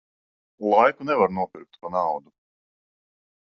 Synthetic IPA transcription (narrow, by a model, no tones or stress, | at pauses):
lˠajkunɛvaɾnuɔpiɾk̚t̪panawd̪u